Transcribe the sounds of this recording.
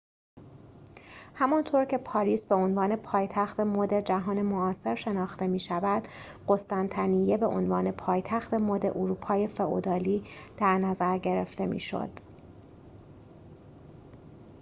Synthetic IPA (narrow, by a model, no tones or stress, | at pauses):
hæmɒnt̪ʰoːɾcʰe̞pʰɒːɾiːsbe̞onvɒːne̞pʰɒːjt̪ʰæxt̪emoːd̪e̞d͡ʒæɦɒːne̞moɒːse̞ɾʃe̞nɒːxt̪e̞miːʃævæd̪̥ | ɢo̞st̪ænt̪ʰænije̞be̞ʔo̰nvɒːne̞pʰɒːjt̪ʰæxt̪e̞moːd̪e̞̰ʔuɾuːpʰɒːje̞fe̞ʔo̰d̪ɒːliːd̪̥æɾnæzæɾɟe̞ɾeft̪e̞mḭːʃo̞̰d̪̥